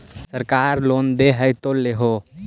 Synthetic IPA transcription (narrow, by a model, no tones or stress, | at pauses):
səɾkaɾlond̪eɦəjt̪oleɦo